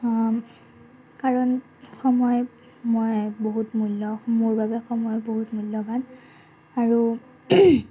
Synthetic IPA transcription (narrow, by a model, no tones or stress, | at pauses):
kaɹɔn | xɔmɔj | mojboɦutmulɔmoɹbabɛxɔmɔjboɦutmulːɔban | aɹu